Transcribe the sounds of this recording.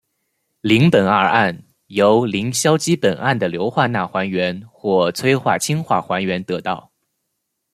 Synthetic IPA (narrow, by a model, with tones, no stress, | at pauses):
li˧˥ŋpə˨˩nə̰˞˥˧ʔa˥˩n | jo˧˥ʊli˧˥ŋɕjɑ˥ʊt͡ɕi˥pə˨˩nʔa˥˩nd̪ə˩ljo˧˥ʊxwa˥˧na˥˩xwa˧˥nɥɛ˧˥nxwɔ˥˩t͡sʰwe˥ɪxwa̰˥˩t͡ɕʰi˥ŋxwa̰˥˩xwa˧˥nɥɛ˧˥nt̪ɤ˧˥t̪ɑ̰˥˩ʊ